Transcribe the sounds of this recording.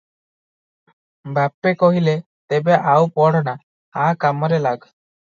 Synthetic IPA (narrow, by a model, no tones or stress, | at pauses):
bapːekɔɦile | t̪ebɛʔawpɔɽ̤na | akamɔɾɛlaɡ